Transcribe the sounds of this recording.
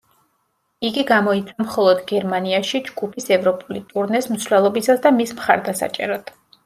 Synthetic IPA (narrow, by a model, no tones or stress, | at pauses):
iɡiɡamɔit̪sʰamχɔlˠɔd̪ɡɛɾmaniaʃid͡ʒɡupʰisɛvɾɔpʼulit̪ʼuɾnɛsmt̪slɛlˠɔbisasd̪amismχa̰ɾd̪asa̰t͡ʃʼɛ̰ɾɔd̪̥